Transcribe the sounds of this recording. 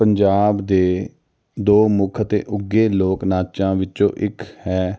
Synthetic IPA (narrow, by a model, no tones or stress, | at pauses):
pəɲd͡ʒaːbd̪eː | d̪oːmʊkʰət̪ḛːʔʊɡeːloːknaːt͡ʃãːʋɪt͡ʃõːʔɪkhɛː